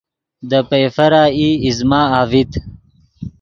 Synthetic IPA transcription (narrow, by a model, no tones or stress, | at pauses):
d̪əpejfɐɾaːiːizmaːaːvit̪